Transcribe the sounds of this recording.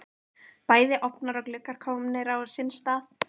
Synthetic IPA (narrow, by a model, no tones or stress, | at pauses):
paːjðɪʔɔpnaɾɔklʏkaɾ̥kʰɔːmnɪɾawsɪnst̪aːθ